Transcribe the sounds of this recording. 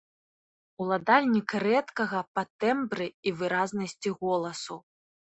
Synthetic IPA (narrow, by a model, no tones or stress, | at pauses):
ulˠad̪alʲnʲikrɛt̪kɐɣɐpɐt̪ɛmbɾɨivɨɾaznɐsʲt͡sʲiɣɔlˠɐsu